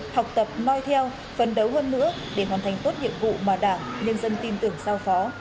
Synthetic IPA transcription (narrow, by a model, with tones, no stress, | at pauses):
ha˨˩wk͡p̚t̪ə˨˩p̚nɔ˧jt̪ʰɛ˧w | fə˨˩nɗə˨˦wɦəː˧nːɨ̰˧˥ə | ɗe˧˩ɦwaː˨˩nt̪ʰa˨˩jŋ̟t̪o˦˥t̚ɲḭ˧˨əmvṵ˧˨maː˨˩ɗaː˧˩ŋɲə˧nzə˧nt̪i˧nt̪ɨ˧˩əŋsaː˧wfɔ˨˦